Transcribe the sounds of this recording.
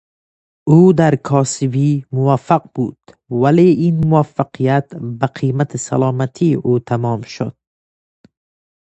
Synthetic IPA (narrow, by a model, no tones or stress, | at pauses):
uːd̪aɾkʰɒːsibiːmʊvafːaqb̥ṵːd̪̥ | valeːʔinmʊafːaqʰijat̪baqʰiːmat̪ʰisa̰lɑːmat̪ʰiʔuːt̪ʰamɒːmʃo̰d̪̥̚